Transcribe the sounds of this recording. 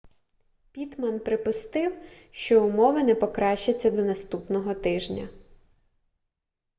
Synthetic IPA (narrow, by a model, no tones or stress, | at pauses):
pʲit̪mɐnpɾɪpʊst̪ɪwʃt͡ʃɔʊmɔʋɐnɛpɔkɾɑʃt͡ʃɐt͡sʲːɐd̪ɔnɐst̪upnɔɦɔt̪ɪʒnʲɐ̰